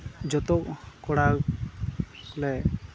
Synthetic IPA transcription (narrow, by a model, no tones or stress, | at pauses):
d͡ʒɔt̪ɔʔkɔɽaw | klɛ